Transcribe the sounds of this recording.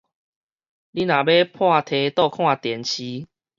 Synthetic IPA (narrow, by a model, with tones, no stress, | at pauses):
li˦nã˨˩be˦pʰwa˥˧˨t̪ʰe˧t̪ɔ˥˧kʰw̃ã˥˧˨t̪jɛ˨˦nt͡ɕʰi˧˦